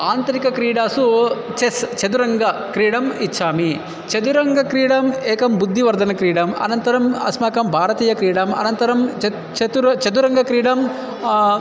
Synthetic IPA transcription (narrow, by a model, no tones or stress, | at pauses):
aːnt̪ɐɾikɐkɾiːɽaːsut͡ʃest͡ʃɐd̪uɾɐŋɡɐkɾiːɽɐmit͡ʃʰːaːmi | t͡ʃɐd̪uɾɐŋɡɐkɾiːɽɐmɛːkɐmbud̪ʱːiʋɐɾd̪ʱɐnɐkɾiːɽɐmɐ̰nɐnt̪ɐɾɐmɐ̰smaːkɐmbʱaːɾɐt̪iːjɐkɾiːɽɐmɐ̰nɐnt̪ɐɾɐmt͡ʃ | t͡ʃɐt̪uɾɐt͡ʃɐd̪uɾɐŋɡɐkɾiːɽɐm